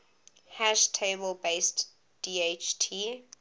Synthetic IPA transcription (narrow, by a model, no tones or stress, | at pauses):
hæʃtʰebəlbeɪst | d̥iːet͡ʃtʰi